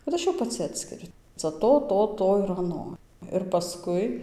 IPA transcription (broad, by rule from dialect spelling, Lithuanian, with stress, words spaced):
kɐt ˈɐʃ jɛʊ pɐˈt͡sʲɪ ˈɑːtʲsʲkʲɪrʲʊ ˈt͡sɐ ˈtoː ˈtoː ˈtoː ɪr ɐˈnoː ɪr pɐˈskʊɪ